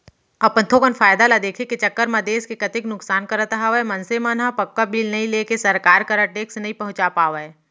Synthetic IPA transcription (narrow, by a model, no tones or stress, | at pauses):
ɐpət̪ʰokənfʰaːjd̪alad̪eːkʰeket͡ʃɐkːəɾmɐd̪eːskekɐt̪ɪknʊksaːnkɐɾət̪əɦaʋɛmɐnsemanɦãpɐkːabiːlnɐɦĩleːkesɐɾkaːɾkɐɾəʈeːksnɐɦĩpɐɦʊ̃t͡ʃapaːʋe